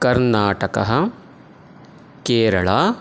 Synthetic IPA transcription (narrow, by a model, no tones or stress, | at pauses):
kɐɾnaːʈɐkɐ̰ɦɐ̆ | keːɾɐɭaː